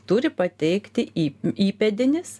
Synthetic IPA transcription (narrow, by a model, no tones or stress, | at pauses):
t̪ʊɾʲɪpɐt̪ʲɛɪkt̪ʲɪːiːpʲɛd̪ʲɪnʲɪs